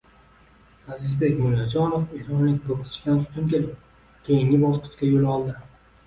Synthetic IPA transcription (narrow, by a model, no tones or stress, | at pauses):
azɪzbekʲmʊlad͡ʒɒnofiɾɒnlɪkʲb̪okt̪ʰɪ̥t͡ʃʰkʲansʰʊ̥t̪ʰʊmkʲe̞lɪp̚ | kʲʰe̞jɪŋɪbɒzqʰʊ̥t̪kʲajolɒlˠd̪ɪ